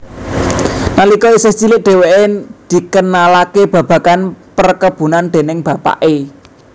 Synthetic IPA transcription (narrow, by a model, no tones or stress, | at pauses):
nalikɔisest͡ʃilɪʔ̚d̪̥e̤weʔed̪̥i̤kənalakeb̥ä̤b̥ä̤kanpərkəb̥ṳnand̪̥e̤nɪŋb̥ä̤pa̰ʔe